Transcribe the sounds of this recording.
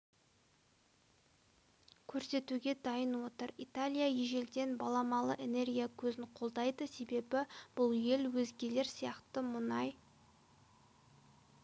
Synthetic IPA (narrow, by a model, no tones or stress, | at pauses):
kʲʰɵɾse̞t̪uɡʲe̞d̪ɑjənwo̞t̪əɾit̪alʲijajeʒe̞ld̪e̞nbɑlˠɑmɑlˠə̰ʔe̞ne̞rɡʲijakʲʰɵzɪɴqʰo̞lˠd̪ɑjd̪əse̞be̞bɪb̥ʊlˠje̞lwɵzɡʲe̞le̞ɾsijɑqt̪əmʊnɑj